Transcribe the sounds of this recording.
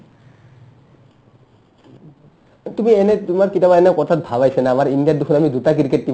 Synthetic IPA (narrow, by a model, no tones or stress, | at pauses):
t̪umienet̪umaɾkitabaenekɔt̪ʰat̪̚bʱaβajsʰenaamaɾindiadd̪ukʰunamid̪utak̬iɾkeʈ̚ːi